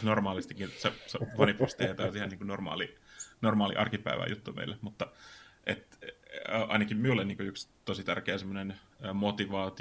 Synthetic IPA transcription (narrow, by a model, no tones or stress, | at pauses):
normɑːlist̪ikːinseseʋɑnipust̪iet̪ɑsiheniːŋkunormɑ̰ːlinormɑːlḭʔɑrkipæ̰ḭʋæ̰jut̪ːumḛilːemut̪ːɑʔet̪ː | ʔɑinɑkimmiulːeniːŋkuykst̪osit̪æ̰rkeːsemːonen | əːmot̪iʋɑːt̪i